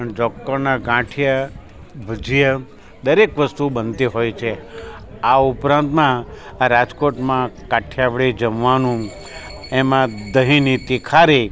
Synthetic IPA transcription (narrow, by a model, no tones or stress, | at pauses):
ənd͡ʒɔktəɾnaɡãʈʰija | bʱəd͡ʒijə | d̪əɾekʋəst̪ubənt̪iɦojt͡ʃʰe | aʊpɾãnt̪mã | ɾad͡ʒkoʈmãkaʈʰjaʋɭed͡ʒəmʋanũ | emãd̪əɦinit̪ikʰaɾi